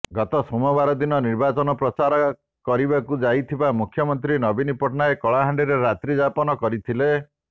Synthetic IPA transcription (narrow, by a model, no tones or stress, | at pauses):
ɡɔt̪ɔsumɔbaɾɔd̪inɔniɾbat͡ʃɔnɔpɾɔt͡ʃaɾɔ | kɔɾibakud͡ʒajt̪ʰibamukʰjɔmɔnt̪ɾinɔbinipɔʈɔnaekɔɭaɦaɳɖiɾeɾat̪ɾid͡ʒapɔnɔkɔɾit̪ʰile